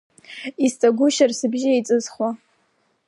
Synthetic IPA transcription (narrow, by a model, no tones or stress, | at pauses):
istʼaɡʷʊʃarsɨbʒɪejt͡sʼɨzχwa